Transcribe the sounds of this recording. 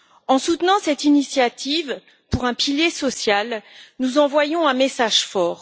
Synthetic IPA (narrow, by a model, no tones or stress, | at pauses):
ɑ̃sut̪nɑ̃sɛt̪inisjat̪ʰiv | puʁɛ̃piljesɔsjalnuzɑ̃vwajɔ̃ɛ̃mesaʒ̥fɔːʁ